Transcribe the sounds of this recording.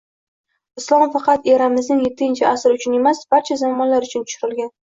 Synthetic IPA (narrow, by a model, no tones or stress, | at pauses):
ɪslˠɒmfɑqɑt̪eɾamɪznɪŋjet̪ʰːɪnt͡ʃʰɪasɪɾʊt͡ʃʰʊne̞masb̥aɾt͡ʃʰazamːɒnlaɾʊt͡ʃʰʊnt̪ʰʊ̥ʃʊɾɪlɡʲan